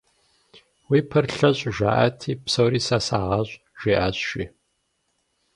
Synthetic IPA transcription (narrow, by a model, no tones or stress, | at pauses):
wiːpʰɐrɬɐɕʼʒʷa̰ːʔa̰tʰiːpsowɾiːsaːsaːʁɑɕʷʼ | ʒ̥ʷiːʔaːɕʃḭː